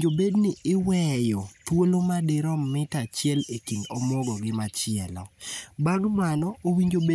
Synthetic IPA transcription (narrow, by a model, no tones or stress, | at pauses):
d͡ʒobednɪɪwɛjɔt̪wolomadɪɾɔmɪtat͡ʃjɛlekinɔmɔɡɔɡɪmat͡ʃɪɛlɔ̰baɡmanɔowiɲd͡ʒobe